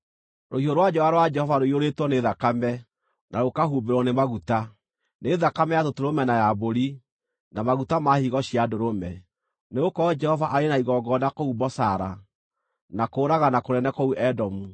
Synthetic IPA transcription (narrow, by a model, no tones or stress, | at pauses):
ɾʔohioɾwad͡ʒɛaɾowad͡ʒɛhɔvaɾoioɾetwɔneðakamɛ | naɾokaɦubeɾɔnemaɣuta | neðakamɛjatotoɾomɛnajaboɾi | namaɣutamahiɣɔɕiadoɾomɛ | neɣokɔd͡ʒɛhɔvaʔaɾenaiɣɔɡɔnakoubɔsaɾa | nakoːɾaɣanakoɾɛnɛkouʔɛdɔmu